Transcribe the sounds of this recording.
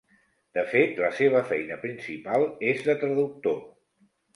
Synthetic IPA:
d̪̥əfet̪ləseβ̞əfɛjnəpɾinsipalˠezðət̪ɾəðuk̚t̪o

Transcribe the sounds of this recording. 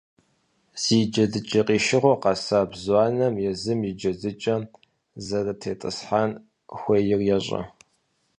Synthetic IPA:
z̥iːd͡ʒɐdɨt͡ʃʼɐqʼiːʃɪʁʷɔqɑsaːbzwɑːnɐmjɛzɨmid͡ʒɐdɨt͡ʃʼɐ | zɐrɐtʰeːtʼɨ̰sħan | xʷejɪrjɛɕʼɐ̰

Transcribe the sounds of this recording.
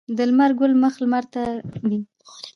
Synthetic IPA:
d̪əlmaɾɡʊlməxlmaɾt̪ad̪i

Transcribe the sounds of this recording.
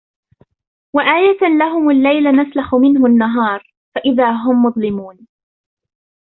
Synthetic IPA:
waʔaːjalaɦʊmalːajlanaslaxʊmɪnɦʊnːaɦɑːɾˤ | faʔɪðaːɦʊmːʊðˤlɪmuːn

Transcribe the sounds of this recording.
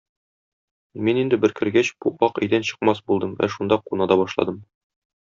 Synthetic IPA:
minind̪ɘbɘ̆ɾkɘ̆ɾɡæɕb̥uʔɑqæ̰̆jd̪ænɕɤ̆qmɑsbulˠd̪ɤmæ̰ʃund̪ɑqunɑd̪ɑbɒʃlˠɑ̰d̪ɤm

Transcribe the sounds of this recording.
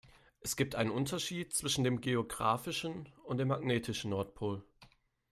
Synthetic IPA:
ʔɛsɡ̥iːp̚tʔaɪnənʔʊntɐʃiːt̚t͡sv̥ɪʃn̩deːmɡeoɡʁa̰ːfɪʃn̩ʊntd̥eːmaɡneːtʰɪʃn̩nɔɐtpʰoːl

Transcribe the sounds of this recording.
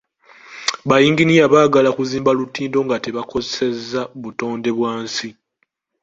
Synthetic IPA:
βajiːŋɡinijaβaːɡalakuziːmbalutiːndo̞ŋɡate̞βako̞zese̞zːaβuto̞ːnde̞βwaːnsi

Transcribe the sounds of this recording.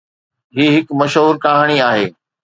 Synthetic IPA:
ɦiːɦɪkmɐʃɦuːɾkaːɦaːɽ̃iaːɦeː

